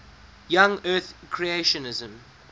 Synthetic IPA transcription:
jãŋɜːˑθkʰɹieɪʃə̃nɪzə̃m

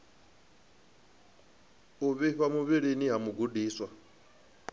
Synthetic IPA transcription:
uβiβamuβiɺeniɦamuɡudiːswa

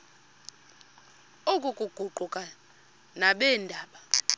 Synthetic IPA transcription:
okʼukʼuɡ͡ǃ̥ʱuɡ͡ǃʱukʼa | naɓɛːndʱaːɓa

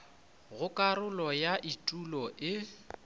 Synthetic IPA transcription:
ɣʊkʼaɾʊlɔjaʔitʼulɔʔɪ

